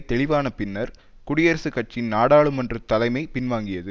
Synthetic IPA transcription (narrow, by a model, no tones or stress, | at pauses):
t̪ɛɭɪʋaːnɐpɪnːɐɾ | kʊɽɪjɐɾsɯkːɐʈ̚t͡ʃːɪnnaːɽaːɭɯmɛndrɯt̪ɐlɐɪmɐɪpɪnʋaːŋɡɪjɐðɯ